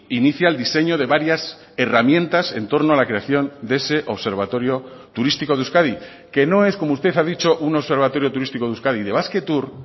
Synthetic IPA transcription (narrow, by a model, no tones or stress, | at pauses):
iniθjaeld̪ise̞ɲo̞ðe̞βaɾjas | e̞ramjẽ̞nt̪ase̞nt̪o̞ɾnoalakɾe̞aθjo̞nd̪ee̞se̞ʔo̞βse̞ɾβ̞at̪o̞ɾjo̞ | t̪uɾist̪iko̞ðuskaði | ke̞no̞e̞sko̞moust̪e̞θaðit͡ʃo̞ʔuno̞βse̞ɾβ̞at̪o̞ɾjo̞t̪uɾist̪iko̞ðuskaðiðe̞βaske̞t̪uɾ